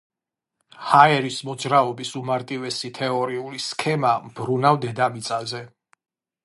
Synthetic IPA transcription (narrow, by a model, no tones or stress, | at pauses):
haɛɾismɔd̪zɾaɔbisumaɾt̪ʼivɛsit̪ʰɛɔɾiuliskʰɛmamb̥ɾunavd̪ɛd̪amit̪sʼazɛ